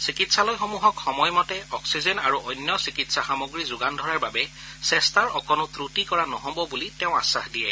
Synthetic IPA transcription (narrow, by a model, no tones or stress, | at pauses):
sikitsalɔjxɔmuɦɔkxɔmɔjmɔtɛɔksizɛnaɹuʔɔjnjɔsikitsaxamoɡɹizʊɡandʱɔɹaɹbabɛ | sɛstaɹɔkɔnʊtɹutikɔɹanɔɦɔbɔbulitɛʊ̃a̰saxdijɛ